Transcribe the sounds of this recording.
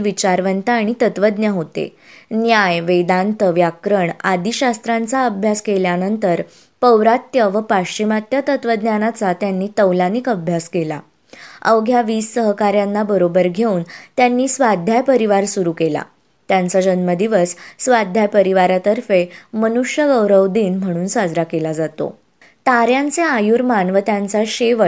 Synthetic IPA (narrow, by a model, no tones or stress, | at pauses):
ʋit͡ɕaɾʋənt̪aːɽ̃it̪ət̪ʋəd̪njaɦot̪ḛ | njajʋed̪ant̪əʋjakɾəɳad̪iɕast̪ɾãnt͡saəbʱjaskeljanənt̪əɾ | pəwɾat̪jəʋəpat͡ɕimat̪jat̪ət̪ʋəd̪njanat͡sat̪janːiːt̪əwlanikəbʱjaskela̰ | əʋɡʱjaʋiːsːəɦkaɾjanːabəɾobəɾɡʱeuːnt̪janːiːsʋad̪ʱjapəɾiʋaɾsuɾuːkela̰ | t̪jant͡sad͡ʑənməd̪iʋəsːʋad̪ʱjapəɾiʋaɾat̪əɾfemənuʂjəɡəwɾəwd̪iːnm̤əɽ̃uːnsad͡zɾakelad͡zat̪o̰ | t̪aɾjãnt͡seajuɾmanʋət̪jant͡saɕeʋə